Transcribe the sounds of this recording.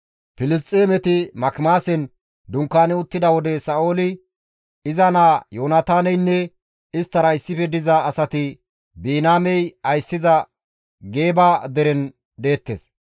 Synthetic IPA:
pɪlɪs̬t̪ʼːeːmɛt̪ɪmɐkmaːsɛn | d̪ʊŋkːaːnɪʊt̪ːɪd̪ɐwɔd̪ɛsaːʔoːlɪ | ɪzɐnaːjoːnat̪aːnɛjnːɛ | ɪst̪ːɐɾɐɪsːɪfɛd̪ɪzɐːsɐt̪ɪ | biːnaːmɛjɐjsːɪzɐ | ɡe̞ːbaːd̪ɛɾɛn | d̪e̞ːt̪ːeːs

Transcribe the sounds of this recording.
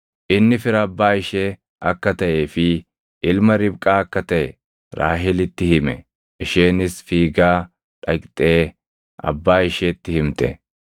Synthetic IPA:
ʔɪnːɪfɪɾɐɐbːaːɪʃeː | ʔɐkːɐt̪ɐʔe̞ːfɪ | ʔɪlmɐɾɪbkʼaːɐkːɐt̪ɐʔɛ | ɾʔa̰ːɦɪlɪt̪ːɪhɪmɛ | ɪʃeːnɪsfiːɡaː | ᶑɐkʼt̪ʼe̞ː | ʔɐ̰bːaːɪʃet̪ːɪhɪmt̪ɛ̰

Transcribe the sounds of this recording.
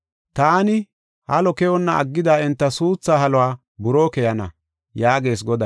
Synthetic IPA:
t̪aːnɪ | hɐ̰lɔkɛjɔnːɐɐ̰ɡːɪd̪aːɛnt̪ːɐsuːt͡sːaːhɐlɔwaː | bʊɾoːkɛjɐnɐ̰ | jaːɡe̞ːs̬ɡɔd̪ɐ

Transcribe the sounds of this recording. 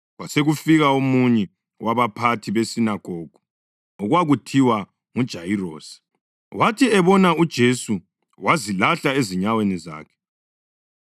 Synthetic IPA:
waseɣufiɣaomuɲɛ | waβapʰatʰiβesinaɡ̥ʱoːɡ̥ʱu | ɔɣwaɣutʰiwa | ŋud̥ʒ̥ʱajiroːsi̥ | watʰiɛβɔnaud̥ʒ̥ʱesu | wazilaɬaeziɲaweniza̰ːkʰɛ̥

